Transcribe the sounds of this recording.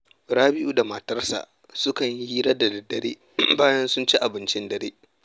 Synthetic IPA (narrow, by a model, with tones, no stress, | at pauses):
ɽaː˦bɪ˦ʔuː˦da˨mɐ˨tɐ˦rsa̰˨ʔ | sʊ˦kɐ˨ɲ˦iː˦ɾɐ˦da˨da˨dɐ˨ɾḛː˦ | baː˦jɐ˦nsʊ˦nt͡ʃi˦ʔa˨bɪ˦nt͡ʃɪ˦ndɐ˨ɾḛː˦